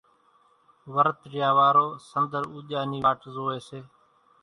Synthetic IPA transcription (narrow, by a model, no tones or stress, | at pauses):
ʋəɾt̪ɾjaːʋaːɾoːsənd̪əɾuːʄaːniːaːʈzoːeːseː